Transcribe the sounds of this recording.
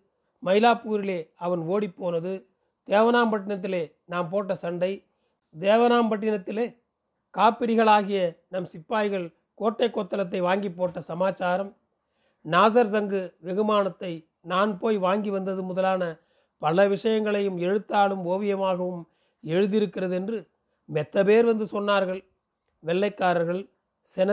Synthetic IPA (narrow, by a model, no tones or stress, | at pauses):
mɐɪlaːpuːɾɪleːɐʋɐnoːɽipːoːnɐðɯ | d̪̥eːʋɐnaːmpɐʈ̬ːɪnɐt̪̬ːɪleː | naːmpoːʈːɐsɐɳɖɐɪ | d̪eːʋɐnaːmpɐʈːɪnɐt̪ːɪleː | kaːpːɪɾɪɣɐɭaːɣɪjɐnɐmsɪpːaːjɣɐɭ | koːʈːɐɪkːoːt̪ːɐlɐt̪̬ːɐɪʋaːŋɡipːoːʈːɐsɐmaːt͡ʃːaːɾɐm | naːs̬ɐɾs̬ɐŋɡɯʋɛɣɯmaːnɐt̪ːɐɪ | naːnpoːjʋaːŋɡiʋɐnd̪ɐðɯmʊðɐlaːnɐ | pɐlɐʋɪʂɐjɐŋɡɐɭɐjɯmɛɻɯt̪ːaːɭɯmoːʋɪjɐmaːɣɐʋɯm | ɛɻɯðɪɾɯkːɪrɐðɯɛndrɯ | mɛt̪ːɐpeːɾʋɐnd̪ɯsɔnːaːɾɣɐɭ | ʋɛɭːɐɪkːaːɾɐɾɣɐɭ | sɛnɐ